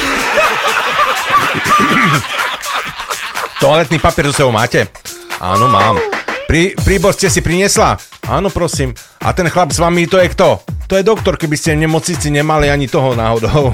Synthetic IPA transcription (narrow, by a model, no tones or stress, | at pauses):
t̪ɔalɛt̪niːpapiɪɛɾzɔsɛbɔʊma̰ːcɛʔa̰ːnɔma̰ːmpɾipɾiːbɔɾscɛsipɾiɲɪɛsla | ʔaːnɔpɾɔsiːm | ʔa̰t̪ɛnxlabzʋamit̪ɔjɛkt̪ɔt̪ɔjɛd̪ɔkt̪ɔɾkɛbiscɛɲɛmɔt͡sɲit͡siɲɛmaliaɲit̪ɔɦɔnaːɦɔd̪ɔʊ